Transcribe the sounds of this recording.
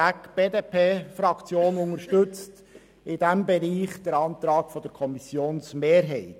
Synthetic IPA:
ækb̥eːdeːpʰeːfɾɑkʰt͡sjoːnʊŋəɾʃtɵt͡st | ɪd̥æmbɛɾiːχd̥̪əɾɑnt̪ɾɑːkfɔd̥̪əɾkʰɔmisjoːnsmeːɾɦɛɪt

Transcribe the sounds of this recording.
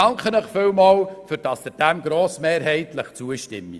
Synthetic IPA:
ɑŋkχənəχfɪwmɑːwfʏɾd̥ɑsd̪əd̥æmɡɾoːsmeːɾɦɛɪtləχt͡suəʃtɪ̰mːḭ

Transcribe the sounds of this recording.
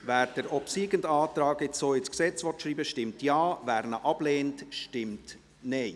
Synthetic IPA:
væːɾd̥əɾɔpsiːɡəndɑːt̪ɾɑːɡɪt͡soːɪsksɛt͡sʋɔtʃɾiːbəʃtɪmtjɑːvæːɾnəʔɑb̥leːntʃtɪmt | nɛɪ

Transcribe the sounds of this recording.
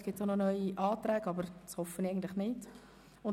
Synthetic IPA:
sɡ̥ɪtsɑnɔnœʏiʔɑːtrɛːɡɑbəɾshɔfənaɪɡn̩tlɪχnɪt | ʊ

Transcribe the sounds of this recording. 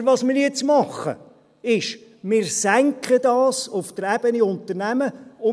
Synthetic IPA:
ʋɑsmɪːɾjɛt͡smɑχːə̰ | ɪʃmɪːɾsæŋkχədɑːsʊft̪əɾæb̥əniʊnt̪ərnæməʊ

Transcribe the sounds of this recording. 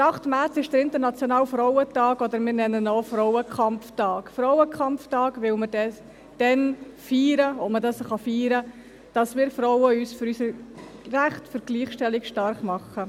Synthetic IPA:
ɑχtmæɾt͡sɪʃd̥əɾɪnt̪əɾnɑt͡sjonɑːlfɾɔwətɑːkɔd̪əɾmɪɾnɛnənoːfɾɔwəkχɑmftɑːkfɾɔwəkχɑmftɑːɡʋɪwməɾd̥ɛ | d̥ɛnfiːɾəomədɑsχɑfiːɾə | d̥ɑsmɪːɾfɾɔwəyːsfyɾysəɾræχtfəɾɡ̥liːχʃtɛlikʃtɑɾχmɑχːə

